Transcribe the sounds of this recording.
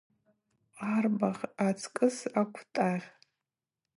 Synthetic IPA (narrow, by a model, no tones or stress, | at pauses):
arbaʁʲat͡sʰkʼɨsakʷʰtʼaʁʲ